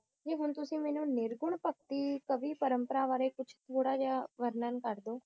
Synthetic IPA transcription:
d͡ʒeːɦʊnt̪ʊsĩːmɛːnũːnɪɾɡʊɳpək̚t̪iːkəbiːpəɾəmpəɾaːʋaːɾeːkʊt͡ʃʰt̪ʰoːɽaːd͡ʒaːʋəɾnənkəɾd̪oː

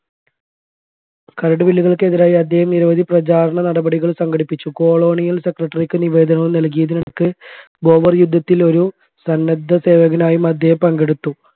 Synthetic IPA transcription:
kɐɾɐɽɨʋilːiɣɐɭkɨeðiɾaːjiɐd̪ʱjeːhɐmniɾɐʋɐd̪ʱiprɐt͡ɕaːɾɐɳɐnɐɽɐbɐɽiɣɐɭsɐŋɡɐɽipːit͡ɕːuko̞ːɭo̞ːɳijɐlse̞krɐʈːɐrikːɨniʋe̞ːd̪ɐɳɐʋumnɐlk̬ijɐðiniɳɐkːɨ | bo̞ːʋɐrjud̪ʱːɐt̪ːilo̞ɾu | sɐnːɐd̪ʱːɐse̞ːʋɐɣɐnaːjumɐd̪ʱjeːhɐmpɐŋɡeɽut̪ːu

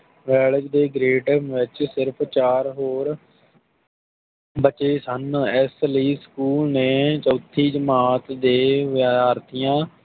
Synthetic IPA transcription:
ʋɛːləd͡ʒd̪eːɡɾeːʈəmʋɪt͡ʃsɪɾpʰt͡ʃaːɾɦoːɾ | bət͡ʃeːsənɪsləiːskuːlneːt͡ʃoːt̪ʰːiːd͡ʒəmaːt̪d̪eːʋaːɾt̪ʰijãː

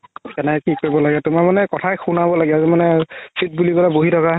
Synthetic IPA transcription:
kɛnɛkikoɹibɔlaɡɛtʊmamanɛkɔtʰajxunabɔlaɡɛazimanɛsʰit̚buliɡɔlaboɦitʰɔka

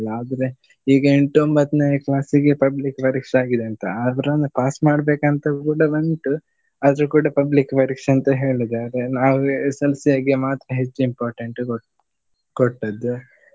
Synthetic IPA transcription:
laːd̪ɐɾe | iːɡɐeɳʈuombɐt̪ːnɐjklaːsiɡepɐblikːʋɐɾikʂaːɡid̪eɐnt̪ɐ̰ɐʋɐɾɐnːupaːsmaːɽbeːkɐnt̪ɐkuːɽɐbɐnʈu | ɐd̪ɐɾukuːɽɐpɐblikʋɐɾikʂɐnt̪ɐɦe̞ːɭid̪aːɾenaːʋuesɐlsijaːɡemaːt̪ɾɐɦet͡ʃːuimpaːɾʈɐɳʈu | koʈːɐd̪u

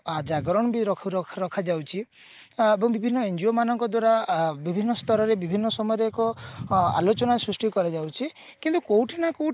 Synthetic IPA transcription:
ad͡ʒaɡɔɾɔɳɔbiɾɔkʰɾɔkʰɾɔkʰad͡ʒawt͡ʃʰi | ebɔŋbibʱinːɔend͡ʒiomanɔŋkɔd̪waɾabibʱinːɔst̪ɔɾɔɾebibʱinːɔsɔmɔjɔɾeekɔa̰lot͡ʃɔnasɾusʈikɔɾad͡ʒawt͡ʃʰi | kint̪ukowʈʰinakow

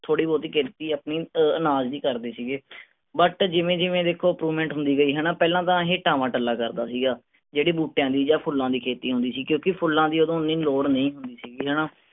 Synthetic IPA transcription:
t̪ʰoːɽiːbɔːt̪iːkʰeːt̪iːəpniːənaːd͡ʒd̪iːkəɾd̪eːsiːɡeː | bəʈd͡ʒɪʋẽːd͡ʒɪʋẽːd̪eːkʰːoːəpɾuːmɛ̃ːɳʈɦʊ̃nd̪iːɡəiːɦɛːnaːpɛːlãːt̪ãːɦeːʈaːmãːʈəlːaːkəɾd̪aːsiːɡaː | d͡ʒeːɽiːbuːʈejãːd̪iːd͡ʒaːpʰʊlːãːd̪iːkʰeːt̪iːɦʊ̃nd̪iːsiːkjõːkɪpʰʊlːãːd̪iːod̪õːniːloːɾnəĩːɦʊ̃nd̪iːsiːɡiːɦɛːnaː

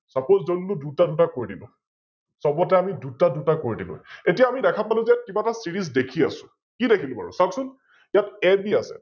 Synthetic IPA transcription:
sapozzonːudutadutakoɹidilʊ̰̃ | sɔbɔtɛamidutadutakoɹidilʊ̰̃etijaːmidɛkʰapalʊ̃zɛkibatasiɹiz̬dekʰia̰sʊ̥̃ | kidekʰilʊ̃ba̰ɹṵsaksʊn | jatɛbiasɛ̰

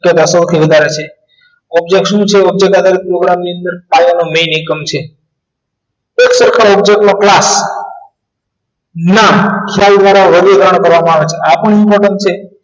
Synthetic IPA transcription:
kjət̪asəwt̪ʰiʋəd̪ʱaɾet͡ʃʰe | ɔb̚d͡ʒek̚ʈʃũt͡ʃʰeɔb̚d͡ʒek̚ad̪ʱaɾipɾoɡɾamniənd̪əɾkajanomenikəmt͡ʃʰe | eksəɾkʰaɔbd͡ʒek̚ʈmãklas | namkʰjald̪ʋaɾaʋəɾjəd̪ʱɾəɳ̃kəɾʋamãaʋet͡ʃʰeapəɳimpɔɾʈən̚t͡ʃʰe

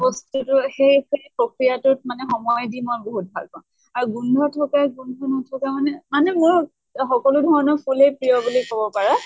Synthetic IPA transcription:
bɔstutʊxejxejpɹokɹijatʊtmanɛxɔmɔjdimɔbɔɦut̚bʱa̰lkɔ | aɹuɡundʱɔtʰɔkaɡundʱɔnɔtʰɔkamanɛmanɛmʊɹ | xɔkɔlʊdʱɔɹɔnɔpʰulejpɹijɔbulikɔbɔpaɹɔ

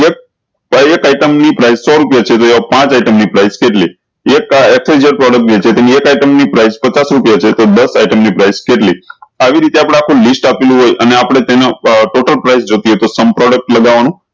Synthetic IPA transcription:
ek̚ | ekajʈəmnipɾaisːɔɾupjat͡ʃʰet̪oeʋapãt͡ʃajʈəmnipɾaiskeʈli | ekeksed͡ʒəɾpɾɔɽək̚ʈ̚ɡet͡ʃʰet̪eniekajʈəmnipɾaijspət͡ʃasɾupjat͡ʃʰet̪od̪əsajʈəmnipɾajskeʈliaʋiɾit̪eapɽ̃eakʰulisʈapelũɦojʔəneapəɽ̃et̪enaʈoʈəlpɾaisd͡ʒot̪iɦet̪osəmpɾɔɽək̚ʈləɡaʋanũ

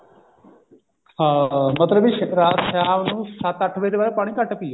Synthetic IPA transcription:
mət̪ləbɪʃɾaːt̪ʃaːʋnũːsət̪əʈʰʋẽːt̪eːbaːɾeːpaːɽ̃iːkəʈpiːe

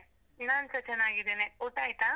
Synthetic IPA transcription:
nansət͡ʃənaːɡid̪eneoʈajt̪a

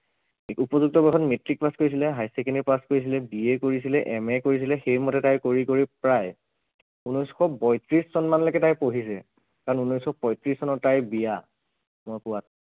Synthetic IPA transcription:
upɔzuk̚tɔbɔkɔtmetɹik̚paskoɹis̬ilɛɦajsɛkɛnipaskoɹis̬ilɛbiekoɹisilɛʔɛmɛkoɹis̬ilɛxejmɔtɛtajkoɹikoɹipɹaj | unɔjsxɔbɔjtɹissɔnmanlekɛtajpoɦisɛ | kaɹɔnunɔjsxɔpɔjtɹisːɔnɔtajbija | mɔjkʊwat

